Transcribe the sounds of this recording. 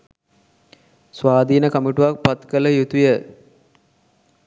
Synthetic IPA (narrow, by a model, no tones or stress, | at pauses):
sʋaːd̪iːnəkamiʈuʋak̚pɐt̪kələjut̪ujə